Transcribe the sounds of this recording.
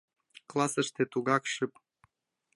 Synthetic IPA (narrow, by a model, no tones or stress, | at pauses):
klˠɑsə̆ʃt̪et̪uɣɑkɕyp